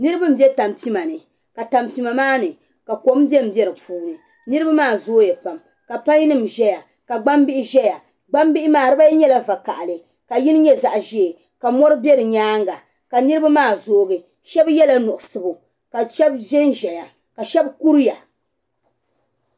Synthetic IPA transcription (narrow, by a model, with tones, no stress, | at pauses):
nɨ˦ɾɨ˦bɨ˦m̩˦bjɛ˦ta˨mpi˦ma˨nɨ˨ | ka˨ta˨mpi˨ma˨maː˦nɨ˨ | ka˨ko˨˦m˦bɛ˦m̩˨bɛ˦ɾɨ˨pʰuː˦nɨ˨ | nɨ˦ɾɨ˦ba˦maː˦˨zoː˦jɛ˨pa˨m | ka˨pa˦ɲ˦nɨ˦mʒɛ˦ja˨ | ka˨ɡ͡ba˦mbi˦ʔɪ˦ʒɛ˦ja˨ | ɡ͡ba˦mbi˦ʔɪ˦maː˦˨ɾɨ˦ba˦jɲɛ˦la˦va˨ka˨ʔa˨lɨ˨ | ka˨ji˦nɨ˦ɲɛ˦za˨ʔʒi˦e˨ | ka˨mɔ˦ɾɨ˦bɛ˦ɾɨ˨ɲaː˦ŋɡa˨ | ka˨nɨ˦ɾɨ˦ba˦maː˦˨zoː˨ɡɨ˨ | ʃɛ˦bjɛ˦la˦nʊ˨ʔʊ˨sɨ˨bʊ˨ | ka˨ʃɛ˦bʒɛ˦nʒɛ˨ja˨ | ka˨ʃɛ˦bku˦ɾja˨